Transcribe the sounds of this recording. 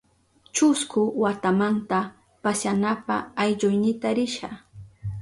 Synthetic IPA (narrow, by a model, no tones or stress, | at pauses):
t͡ʃʊskʊwat̪amant̪a | pasanapaːjʎʊjnɪt̪aɾɪʃa